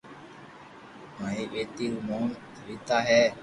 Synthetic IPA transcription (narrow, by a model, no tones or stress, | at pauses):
mãːɦiːʋeːt̪iːɾuːmoːn | ʋiːt̪aːɦɛː